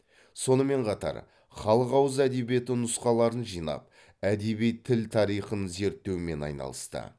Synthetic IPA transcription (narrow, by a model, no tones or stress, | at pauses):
so̞nəme̞ɴqʰɑt̪ɑ̰ɾ | χɑlˠəqɑwəzæd̪e̞bije̞t̪ɪnʊsqɑlˠɑɾənʒijnɑ̰p̚ | æd̪ebijt̪ʰɪlt̪ʰɑɾijχənze̞ɾt̪ːe̞wɪme̞nɑ̰jnɑ̰lˠə̰st̪ə̰